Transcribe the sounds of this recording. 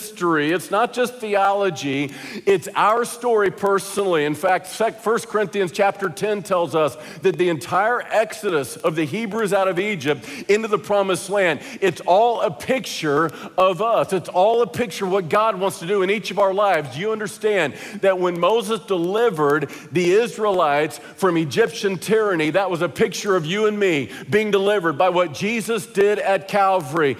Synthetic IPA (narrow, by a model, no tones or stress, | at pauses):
stə˞iɨtsnət̚d̥ʒ̥ʌst̪̚θiɑlˠɨd͡ʒiɪtsa̰ʊə˞stɔɹipʰɜ˞snl̩ˠiɨ̃nfæk̚tsɛfɜ˞skʰə˞ɪ̃nθiɨ̃nz̥t͡ʃʰæp̚tə˞tʰɛ̃ntʰɛlˠzʌs | ðɨt̪̚ðiɨ̃ntʰaɪə˞ʔɛksɨɾɨsʌvðɨɦibɹʉzaʊɾʌvid͡ʒɨp̚tɪ̃ntʉðəpʰɹ̥ɑmɨsˡlæ̃nd | ɨtsɔlˠəpʰɪk̚t͡ʃə˞ʌvʌsɨtsɔlˠəpʰɪk̚t͡ʃə˞wʌt̚ɡ̥ɑd̚wɑ̃ntstʰɨdɨɨ̃ñit͡ʃʌvaʊə˞laɪvzjɨʌ̃ndə˞stæ̃nðɨt̚wə̃nmoʊzəsd̥əlɪvə˞d̪̚ðiɪzɹilaɪts | fɹʌ̃mɨd͡ʒɪpʃɨ̃ntʰɪɹɨniðət̚wʌzɨpʰɪk̚t͡ʃə˞ʌvjɨə̃nmibiɪ̃ŋdəlɪvə˞d̚baɪwʌt̚d̥ʒ̥izɨsd̥ɪɾɨt̚kʰælˠvə˞i